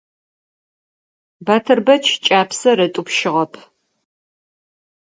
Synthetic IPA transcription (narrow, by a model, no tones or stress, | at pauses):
bɐtʰɨrbɐt͡ʃʰt͡ʃʼaːpʰsɐɾɐtʼupʃɪʁɐpʰ